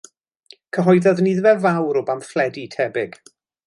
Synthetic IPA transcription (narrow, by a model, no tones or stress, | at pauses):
kʰəɦɔjðɔðniðvɛvawɾɔbamflɛditʰɛbɪɡ̥